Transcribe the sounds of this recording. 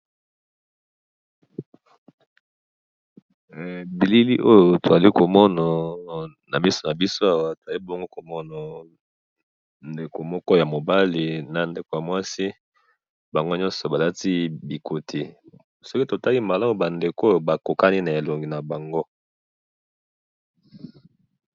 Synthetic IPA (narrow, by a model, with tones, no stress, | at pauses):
bi˨li˦li˦ʔo˦jo˨to˨za˨li˦ko˨mɔ˦na˨ | na˨mi˦sɔ˨na˨bi˦so˦a˦wa˦to˨za˨li˦bɔ˦ŋɡo˦ko˨mɔ˦na˨ | nde˨ko˨mɔ˦kɔ˦˨ja˨mo˨ba˦li˨na˨nde˨ko˨ja˨mwa˦si˦ | ba˨ŋɡo˦ɲɔ̃˦nsɔ˨ba˨la˦ti˦bi˨ko˨tʰi˨ | sɔ˦ki˦to˨ta˦li˦ma˨la˦mo˨ba˨nde˨ko˦jo˨ba˨ko˨ka˦ni˦na˨e˨lo˨ŋɡi˨na˨ba˨ŋɡo˦